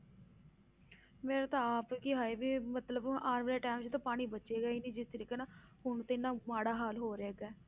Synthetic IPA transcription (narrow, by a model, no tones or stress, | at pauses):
meːɾet̪ãaːpkɪɦaːeːbiːmət̪ləbaːnmɾeːʈɛːmt͡ʃt̪õːpaːɽ̃iːbətːʃeːɡaːiːnĩːd͡ʒɪst̪əɾiːkeːnaː | ɦʊɳt̪ɪnãːmaːɽaːɦaːlɦoːɾeːɡaː